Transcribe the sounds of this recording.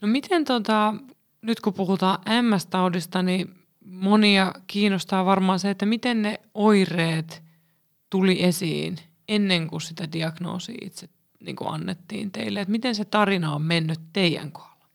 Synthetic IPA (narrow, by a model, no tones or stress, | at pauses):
nomit̪ent̪ot̪ɑ | nyt̪kupuhut̪ɑːʔʔæmːæst̪ɑudist̪ɑni | moniɑkiːnost̪ɑːʋɑrmɑːnseet̪ːæmit̪enneoireːt̪ | t̪uliʔesḭːn | enːeŋkussit̪ædiɑɡno̰ːsḭːḭt̪set̪ | nḭːŋkṵɑ̰nːet̪ːḭːnt̪eilːeet̪mit̪enset̪ɑrinɑommenːyt̪teijæ̰ŋko̥ɑlːɑ̥